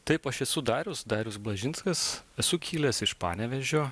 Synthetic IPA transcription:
t̪ɐɪpɐʃɛsʊd̪ɑːɾʲʊsd̪ɑːɾʲʊsblˠɐʒʲɪnskɐsɛsʊkʲʰiːlʲɛsɪʃpɑ̰ːnʲɛʋʲɛʒʲoː

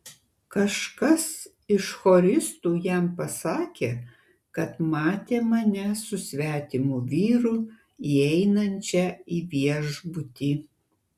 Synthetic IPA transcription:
kɐʃkɐs | ɪʃxoːɾʲɪst̪uːjæmpɐsɑːkʲeː | kɐt̪mɑːt̪ʲeːmɐnʲɛsʊsʲʋʲæːt̪ʲɪmʊʋʲiːɾʊ | iɛɪnɐnʲt͡ʃʲɛiːʋʲiɛʒbʊt̪ʲiː

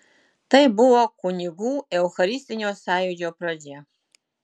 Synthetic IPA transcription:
tʰɐjbɨwɐkʷʰʼʊniɡʷuewxɐɾistʼɨniwsaːjud͡ʒowpʰrɐd͡ʒe

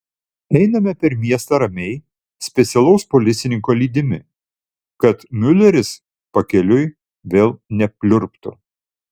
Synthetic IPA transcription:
ɛɪnɐmʲɛpʲɛɾmʲiɛst̪ɐɾɐmʲɛɪ | sʲpʲɛt̪sʲɛlˠɐʊspɔlʲɪt̪sʲɪnʲɪŋkɔːlʲiːd̪ʲɪmʲɪ | kɐt̪mʲʊlʲɛɾʲɪs | pɐkʲɛlʲʊɪ | ʋʲeːlˠnʲɛpʲlʲʊɾpt̪ʊ

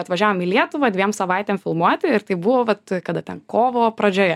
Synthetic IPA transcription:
ɐt̪ʋɐʒʲæːʋoːmɪlʲiɛt̪ʊʋɐːd̪ʲʋʲiɛmsɐʋɐɪt̪ʲeːmfʲɪlˠmuɔt̪ʲɪɪɾt̪ɐɪbʊʋoːʋɐt̪kɐd̪ɐt̪ʲɛnkoːʋoːpɾɐd͡ʒʲoːjɛ

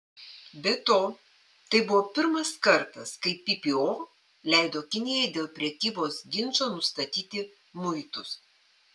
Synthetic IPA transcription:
bʲɛt̪oː | t̪ɐɪbʊʋoːpʲɪɾmɐskɐɾt̪ɐskɐɪpʲɪpʲɪoː | lʲæˑɪd̪oːkʲɪnʲɪjɛɪd̪ʲeːlˠpʲɾʲɛkʲiːboːsɡʲɪnˑt͡ʃoːnʊst̪ɐt̪ʲiːt̪ʲɪ | mʊɪt̪ʊs

